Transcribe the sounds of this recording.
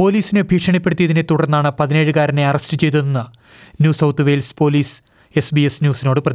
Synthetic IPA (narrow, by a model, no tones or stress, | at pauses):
po̞ːliːsinɨbʱiːʂɐɳɐpːe̞ɽut̪ijɐðinet̪uɽɐrnːaːɳɨpɐðine̞ːɻɨkaːɾɐne̞ɐrɐstɨt͡ɕe̞jt̪unɐnːɐ | njuːsɐwt̪ʰɨʋe̞jlspo̞ːliːs | e̞sbiesnjuːsino̞ːɽɨprɐð